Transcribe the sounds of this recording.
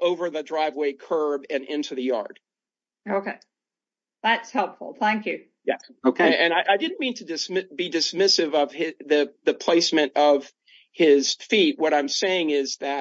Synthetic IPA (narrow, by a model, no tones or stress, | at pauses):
ʔoʊvə˞ðɨdɹaɪvweɪkʰɜ˞bɨ̃nɪ̃ntʰʉðɨjɑ̰ɹd̥ | oʊkeɪ | ðætshɛlˠpfl̩ˠθæ̃ŋkjʉ̰ | jɛ̰oʊkʰeʔɨ̃ñaɪʔaɪdɪdⁿn̩mĩntʰɨdɨsmɪbidɨsmɪsɨvʌv̥ɪðɨðɨpʰl̥eɪsmɨ̃ñtʌv̥ | ɪz̥fit̚wʌɾãɪ̃mseɪɪ̃ŋɪzðɨ